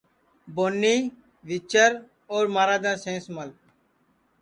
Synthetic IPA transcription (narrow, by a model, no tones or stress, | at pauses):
boːnːiː | ʋɪt͡ʃəɾ | oːɾmaːɾaːd̪ãːsẽːsməl